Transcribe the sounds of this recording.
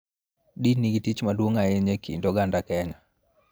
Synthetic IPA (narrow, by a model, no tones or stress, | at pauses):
diniɡitit͡ʃmadwoŋajeɲekʰḭndɔɡandakɛɲa